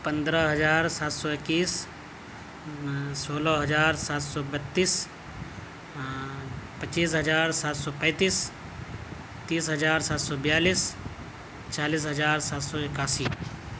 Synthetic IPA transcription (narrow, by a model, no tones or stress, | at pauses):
pə̃nd̪ɾəɦəd͡ʒaːɾsaːt̪sɔɪkːiːs | soːləɦəd͡ʒaːɾsaːt̪sɔbət̪ːiːs | pəiːsɦəd͡ʒaːɾsaːt̪sɔːpɛ̃ːt̪iːs | t̪iːsɦəd͡ʒaːɾsaːt̪sɔbɪjaːliːs | t͡ʃaːliːs̬ɦəd͡ʒaːɾsaːt̪sɔɪkaːsiː